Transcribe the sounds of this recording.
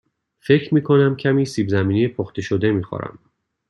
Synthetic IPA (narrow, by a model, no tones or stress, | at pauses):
fe̞cʰɾmiːkʰo̞næmcʰæmiːsiːbzæmiːnijepʰoxt̪e̞ʃod̪e̞miːxɒ̰ɾæ̰m